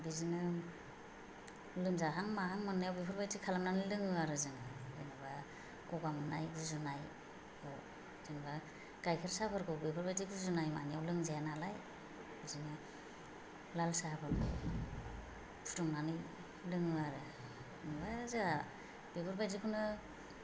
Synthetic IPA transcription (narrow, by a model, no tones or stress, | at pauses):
bizinɯ | lɯmzaɦaŋmaɦaŋmɯnːajawbibʰɯɾbajtikʰalamnanɯjlɯŋɯaɾɯzɯŋɯɯjnɯba | ɡ̥ɔɡamɯna̰jɡuzunaj | ɔ | z̥ɯŋba | ɡ̥ajkʰɯɾsabʰɯɾkɔbibɯɾbajdiɡuzunajma̰nijawlɯŋzajanalaj | ɯzɯŋɯ | lalsabʰɯɾɡʰɔ̰ | pʰu̥tɔŋnanɯ | lɯŋɯaɾɯ | ɯŋbaza | b̥ibʰɯɾbajzikʰunɯ